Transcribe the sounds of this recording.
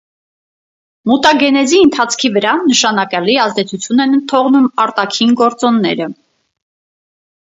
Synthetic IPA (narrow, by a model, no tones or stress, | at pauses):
mut̪ɑɡɛnɛziənt̪ʰɑt͡sʰkʰivəɾɑnəʃɑnɑkɑliɑzd̪ɛt͡sʰut͡sʰjunɛnənt̪ʰɔʁnumɑɾt̪ɑkʰinɡɔɾt͡sɔnːɛɾə